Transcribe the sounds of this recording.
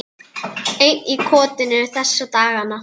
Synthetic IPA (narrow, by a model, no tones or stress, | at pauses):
ejnikʰɔːt̪ɪnɪʏθɛsːat̪aːɣanːa